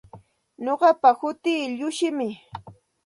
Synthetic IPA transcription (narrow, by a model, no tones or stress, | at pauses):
ɲoɢɑpahʊt̪iːʎʊʃɪmɪ